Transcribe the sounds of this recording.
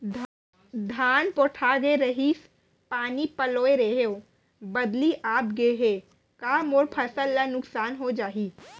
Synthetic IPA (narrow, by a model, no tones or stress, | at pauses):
d̪ʱaːnpoːʈʰaːɡeɾəɦis | paːnipəloːeɾeɦeo | bəd̪liʔaːpɡeɦeː | kaːmoɾpʰəsəlːanʊksaːnɦod͡ʒaːɦiː